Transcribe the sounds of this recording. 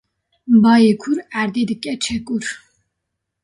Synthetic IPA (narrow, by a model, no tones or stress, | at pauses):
bɑːjekʰuɾæɾd̪ed̪ɨkʼɛt͡ʃʰɛkʼuɾ